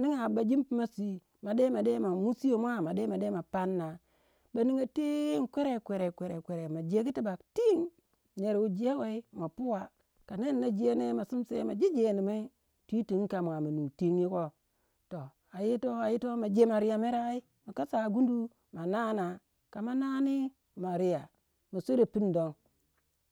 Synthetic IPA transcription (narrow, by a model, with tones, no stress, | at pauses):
ni˦ŋa˨ba˨d͡ʒi˦mpma˦si˦ | ma˨de˦ma˨de˦ma˨mu˦si˦jo˨mʷ˦a˦ma˨de˦ma˨de˦ma˨pa˦nːa˨ | ba˨ni˦ŋa˨te˦ŋ̩˦kʷe˦ɾe˨kʷe˨ɾe˨kʷe˨ɾe˨kʷe˨ɾe˨ma˨d͡ʒe˦ki˦ti˦ba˨kti˦ŋ | ɲe˨ɾu˨d͡ʒe˦we˦i˦ma˨pu˦wa˨ | ka˨ne˦nːa˦d͡ʒe˦ne˦ma˨su˦msḛ˦ma˨d͡ʒi˦d͡ʒe˨ni˨ma˦i˦ | tʷi˦ti˨ŋ˦ka˨mʷ˨a˨ma˨nu˨ti˦ŋji˦ko˦ | to˨ | a˨ji˦to˦a˨ji˦to˦ma˨d͡ʒe˦ma˨ɾi˦ja˨me˦ɾa˦i˦ | ma˨ka˦sa˨ɡu˦n˦du˦ | ma˨na˦na˨ | ka˨ma˦na˦ni˦ | ma˨ɾi˦ja˨ | ma˨su˦ɾe˨pi˦n˨do˦ŋ